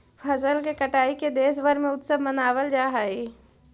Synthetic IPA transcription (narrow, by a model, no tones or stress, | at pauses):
pʰɐzəlkekɐʈaːiked̪eːs̬ʋəɾmẽʊt̪səbmənaːwəld͡ʒaːɦaːi